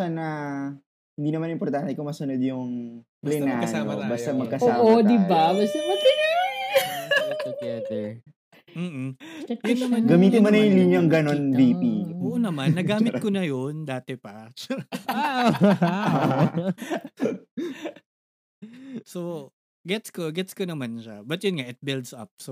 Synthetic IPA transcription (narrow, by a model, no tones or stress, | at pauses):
anɐ | hɪnd̪iːnɐmanɪmpoɾt̪ant̪ɛkʊŋmɐsɐnod̪jʊŋ | plɛnaːkɐaomɐbast̪amɐɡkɐsoːaʔod̪ɪbabɐst̪ɛʔokinɐjo | ɐkɛt̪ɛ | m̩ːʔ̩jɐnɐmɐɡɐmiːt̪ɪnmɐnɐjʊnliɲoŋɡɐno̞nbiːpiʔoːʔonɐmannːɐɡaːmɪt̪̚konɐjond̪aːt̪ɛpɐt͡ʃa | so | ɡɛt̪skoɡɛt̪skonɐmanʃɐbɐt̪jʊnŋaʔɪt̪̚bɪld̪sɐ̰p̚so